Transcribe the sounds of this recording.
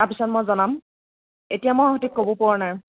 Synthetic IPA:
apisɔnmɔjzɔnam | etijamɔjɔɦɔtik̚kobopɔɹɔnaj

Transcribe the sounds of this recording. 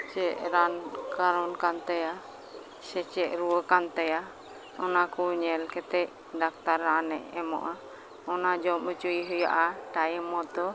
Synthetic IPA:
t͡ʃɛʔɾankaɾɔnkant̪ɛja | sɛt͡ʃɛʔɾuwəkant̪ɛja | ɔnakuɲɛlkɛt̪ɛʔ | dak̚t̪aɾanɛʔɛmɔ̰ʔa | ɔnad͡ʒɔmut͡ʃuiɦɔja̰ʔaʈajimɔt̪ɔ

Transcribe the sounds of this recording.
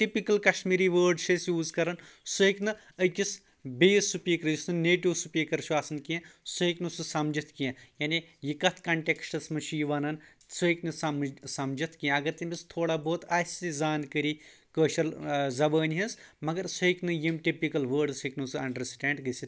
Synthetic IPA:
ʈipikɐlkɐʃmiːɾiːʋəːɾɖʃesjuːzkɐɾɐnsuiknɨ | əkʲis | bejsupiːkɾjisnɨneːʈiʋsupikɐɾʃʰuaːsɐnkiẽsuiknususɐmd͡ʒɐt̪ʰkijãjaːnijikɐt̪ʰkɐɳʈeksʈɐsmɐt͡ʃʰujiʋɐnɐn | suiknɨsɐmsɐmd͡ʒɐt̪ʰkiẽɐɡɐɾt̪imʲist̪ʰoːɽaːboːt̪ʰaːsizaːnkəɾi | kəːʃɐlzɐʋəːnʲɦɐsmɐɡɐɾsuiknɨjimʈipikɐlʋəːɾɖsɐknusɨɐ̰ɳɖɐɾsʈẽːɳɖɡɐsi

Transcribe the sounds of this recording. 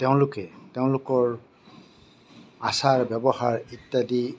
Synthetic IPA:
teʊ̃lʊkɛteʊ̃lʊkɔɹ | asaɹbɛbɔhaɹit̪ːadi

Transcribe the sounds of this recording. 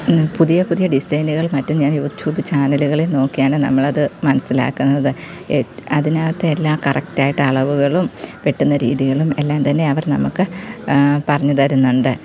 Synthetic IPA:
puðijɐpuðijɐɖisɐjnuɣɐɭmɐtːumɲaːnjuːʈjuːbɨt͡ɕaːnɐluɣɐɭelno̞ːkːijaːnɨnɐ̰mːɐɭɐðɨmɐnɐsːila̰ːkːunːɐðɨ | ɐðinaːʋɐt̪ːeelːaːkɐrɐk̚taːjiʈːɨɐɭɐʋuɣɐɭumʋeʈːunːɐɾiːðiɣɐɭume̞lːaːmt̪ɐnːe̞ɐʋɐrnɐ̰mukːɨ | pɐrɐɲːut̪ɐɾunːuɳɖɨ

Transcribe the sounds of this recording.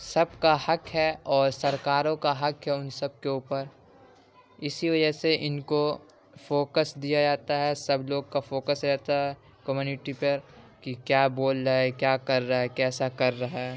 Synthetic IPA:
sɐb̚kahɐkɦɛɔːɾsɐɾkaːɾõkaɦɐkɦɛʊnsɐb̚keuːpəɾ | ɪsiʋɐd͡ʒəɦseʔɪnko | foːkəsd̪ijad͡ʒaːt̪aɦɛsɐbloːɡkafoːkəsɾɛɦt̪aɦɛ | kəmjuːnɪʈipɐɾkikjaːboːlɾaɦɛkjaːkɐɾːaɦɛkɛːsakɐɾːaɦɛː

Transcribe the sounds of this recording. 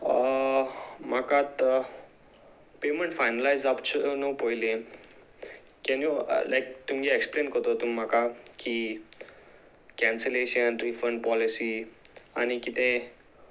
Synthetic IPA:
makat̪ | pemə̃ɳʈfajnəlajzapt͡ɕənopojlẽ | kɛnulajk̚t̪umɡeeksplenkəɾt̪ot̪umːakakʰi | kɛ̃nseleɕənɾifəɳɖpɔlisia̰nikit̪ẽ

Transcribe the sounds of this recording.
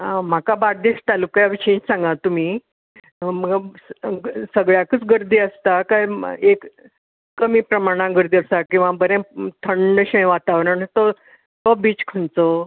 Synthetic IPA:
ɦãm̤akabaɾd̪eɕt̪alukjaʋiɕẽt͡ɕsãŋɡat̪um̤iː | məɡ | səɡɭjakət͡sɡəɾd̪iːəst̪akajekː | əmiːpɾəmaɽ̃ãɡəɾd̪iːəst̪akĩw̃ʋabəɾẽt̪ʰəɳɖəɕə̃j̃ʋat̪aʋɾəɳt̪o | t̪obiːt͡skʰəɳt͡so

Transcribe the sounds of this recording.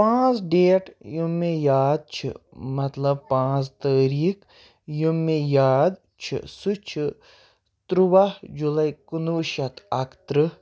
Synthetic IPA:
pãːt͡sɖeːʈjumːejaːd̪̚t͡ʃʰḭmɐt̪lɐb̚pãːt͡st̪əːɾiːk | jumːejaːd̪ | t͡ʃʰḭsut͡ʃʰi | t̪ɾuʋahd͡ʒulɐikunuːʃɐt̪ʰɐkt̪ɾɨ

